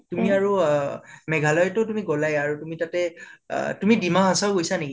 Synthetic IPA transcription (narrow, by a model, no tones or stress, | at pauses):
tumiaɹu | mɛɡʱalɔjtʊtumiɡɔlajaɹutumitatɛ̰ | tumidimaɦãsaʊɡojsaneki